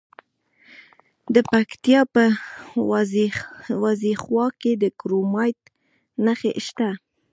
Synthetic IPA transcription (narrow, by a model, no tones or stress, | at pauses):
d̪əpakt̪jɑpə | zwɑzixwɑked̪əkɾomɑjt̪ | naxḛʔʃt̪a